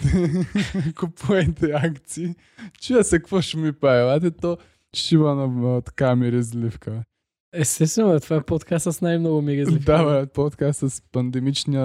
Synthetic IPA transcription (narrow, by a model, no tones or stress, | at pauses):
kopuɛt̪ɛakt̪siː | t͡ʃuɐsɐkvoʃmipaɛlˠat̪̬ɛt̪o | ʃivɐnɐt̪ɐ̥kamiɾɛzlifkə | ɛst̪ɛst̪vɛnoɛt̪o̥vaɛpot̪kasɐsnajmnɔɡʊmiɾɛzlid̪abapɔt̪kast̪sspɐnd̪ɛmit͡ʃnijə